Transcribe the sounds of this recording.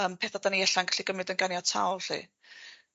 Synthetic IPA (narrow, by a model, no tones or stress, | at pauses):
əːmpʰeːθadaniɛɬanɡaɬiɡəmlɨdənɡanjɔtʰa̰wlˠɬḭː